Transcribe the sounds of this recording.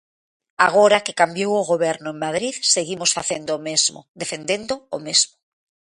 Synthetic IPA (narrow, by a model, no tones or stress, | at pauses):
aɣ̞oɾakekambjowʊɣoβ̞ɛɾnʊẽŋmað̞ɾiðseɣimosfaθend̪oːmezmo̰ðefend̪end̪oo̰mezmo